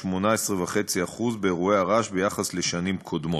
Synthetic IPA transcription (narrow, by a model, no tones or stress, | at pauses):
mo̞naesʁevaχe̞t͡siaχuzbeːʁueaʁaʃbe̞jaχasle̞ʃanimkʰo̞d̪mo